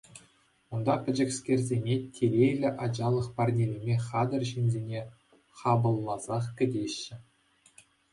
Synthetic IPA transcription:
und̪ɑpʲɘ̆d͡ʑɘ̆kʲsʲkʲerʲzʲenʲetʲʰelʲejlʲɘ̆ʔɑd͡ʑɑlˠɤ̆χpɑrnʲelʲemʲeχɑd̪ɤ̆rʑinʲzʲenʲe | χɑbɤ̆lˠːɑzɑχkʲɘ̆dʲeɕːɘ̆

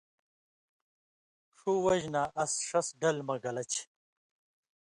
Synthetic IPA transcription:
ʂuwɐʑnaːʔɐsʂɐsɖɐlmɐɡɐlɐt͡ɕ

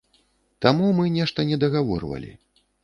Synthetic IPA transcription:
t̪amumɨnʲɛʂt̪ɐnʲɛd̪ɐɣavɔ̰rvɐ̰lʲḭ

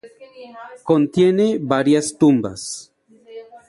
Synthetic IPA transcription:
kont̪jeneβaɾjast̪umba̰s

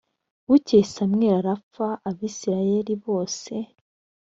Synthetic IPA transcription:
ucesamŋe̞ːɾaɾafaʔːβiːsiɾaje̞ɾiβo̞ːse̞

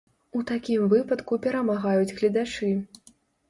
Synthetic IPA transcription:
ut̪akʲimvɨpɐt̪kupʲɛɾɐmaɣajud͡zʲɣlʲid̪at͡ʂɨ

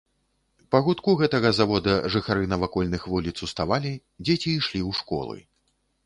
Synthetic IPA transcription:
pɐɣut̪kuɣɛt̪ɐɣɐzavɔd̪ɐʐɨxaɾɨnɐvakɔlʲnɨxvulʲit̪sust̪avalʲi | d͡zʲet͡sʲiːʂlʲiwʂkɔ̰lˠɨ̰

